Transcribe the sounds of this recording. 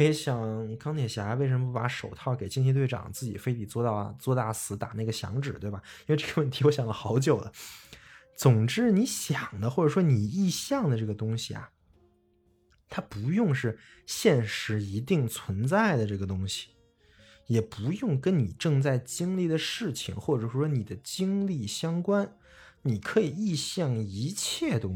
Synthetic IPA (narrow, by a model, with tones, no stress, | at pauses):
ɕjɑ˨˩ŋ˩kɑ˥ŋnʰjɛ˨˩ɕja˧˥we˥˩ɪʂ̬ə˧˥məpu˥˩pa̰˧˥ʂo˨˩ʊt̪ʰɑ˥˩ʊke˨˩ɪt͡ɕi˥nt̪ʰɛ˥t̪we˥˩ɑ̰˨˩ŋt͡sɹ̩˥˩t͡ɕi˨˩fe˥ɪt̪i˨˩t͡swɔ˥˧t̪ɑ˥˧˩t͡swɔ˥˧t̪a˥˩sɹ̩˧˥t̪a˨˩na˥˩ɡə˩ɕjɑ̰˧˥ŋʈ͡ʂɻ̩˨˩t̪we˥˩ɪbɐ˩i˥nwe˧ɪʈ͡ʂɤ˥˩ɡə˩˧wə˥˩nt̪ʰi˧˥wɔ˧˥ɕjɑ˨˩ŋlə˦xɑ˧˥ʊt͡ɕjo˨˩ʊd̪ə˦ | t͡sʊ˨˩ŋʈ͡ʂɻ̩˥ni˧˥ɕjɑ˨˩ŋd̪ə˦xwɔ˥˩ʈ͡ʂə˨˩ʂwɔ˥ni˨˩i˥˧ɕjɑ˥˩ŋd̪ə˩ʈ͡ʂɤ˥˩ɡə˩t̪ʊ˥ŋɕḭ˨ɐ̰˩ | t̪ʰa˥pu˧˥jʊ˥˧ŋʂɻ̩˥˧ | ɕjɛ˥˩nʂɻ̩˧˥i˧˥t̪̬i˥˩ŋt͡sʰwə˧˥nt͡sa˥˩ɪd̪ə˩ʈ͡ʂɤ˥˩ɡə˩t̪ʊ˥ŋɕi̥˨˩ | jɛ˨˩pu˧˥jʊ˥˩ŋkə˥nni˨˩ʈ͡ʂɤ˥˧ŋt͡sa˥˩ɪt͡ɕi˥ŋli˥˩d̪ə˩ʂɻ̩˥˩t͡ɕʰḭ˨˩ŋxwɔ˥˩ʈ͡ʂɤ˨˩ʂɔ˥ʂwɔ˥ni˨˩d̪ə˦t͡ɕi˥ŋli˥˩ɕjɑ˥ŋkwa˥n | ni˨˩kʰɤ˧˥i˨˩i˥˧ɕjɑ˥˩ŋi˧˥t͡ɕʰjɛ˥˩t̪ʊ˥